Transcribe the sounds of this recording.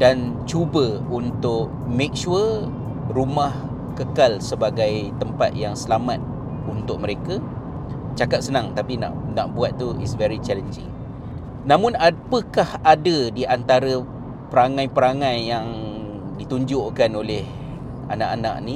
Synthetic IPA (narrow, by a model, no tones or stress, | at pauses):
dant͡ʃubəunt̪ʊʔ | mẽk̚ʃuə | rumah | kəkalsəbaɡajt̪əmpa̰t̪̚jaŋsəlamat̪̚ | unt̪ʊk̚məɾeka | t͡ʃakap̚sənãŋt̪apina̰ʔnaʔbuat̪̚ːuḭsvɛɹit͡ʃɛlənd͡ʒɪ̰ŋ | nãmʊ̃napəkahadədiʔant̪aɾə | pəɾaŋãjpəɾaŋãjːaŋ | dit̪uɲd͡ʒʊʔkanolɪh | a̰naʔana̰ʔ̚nĩ